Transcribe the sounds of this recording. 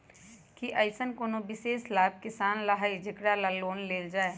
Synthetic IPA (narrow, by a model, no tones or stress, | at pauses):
kiʔɐɪsənkoːnobɪseːʃlaːb̚kɪsaːnlɐɦaːid͡ʒɪkɽalaloːnleːld͡ʒaːe